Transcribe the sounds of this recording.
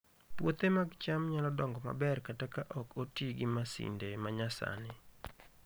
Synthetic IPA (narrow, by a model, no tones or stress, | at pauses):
pwot̪emaɡt͡ʃamɲalɔdɔŋɡɔma̰bɛrkatakaʔɔkotiɡɪmasḭndemaɲasa̰nɪ